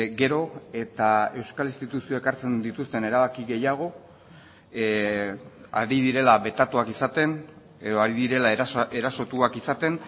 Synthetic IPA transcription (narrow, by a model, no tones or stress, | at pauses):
ɡe̞ɾo̞e̞t̪ae̞wskalinst̪it̪usio̞e̞kaɾt͡se̞nd̪it̪ust̪e̞ne̞ɾaβakiɣe̞jaɣ̞o̞ | aɾiðiɾe̞laβe̞t̪at̪uakisat̪e̞n | e̞ðo̞aɾiðiɾe̞lae̞ɾaso̞t̪uakisat̪e̞n